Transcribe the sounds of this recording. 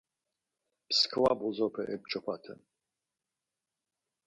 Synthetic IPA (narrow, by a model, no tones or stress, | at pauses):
pskʰwabɔzɔpʰɛʔɛb̚t͡ʃʼɔpʰat̪ʰɨ̰n